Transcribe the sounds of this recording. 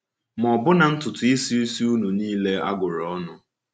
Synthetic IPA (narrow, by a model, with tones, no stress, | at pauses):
mɔ˨bʊ˦na˨n̩˦tʊ˨tʊ˨i˦si˦i˦si˦u˦nu˨niː˦le˦a̰˦ɡʊ˨ɾɔ˦nʊ˨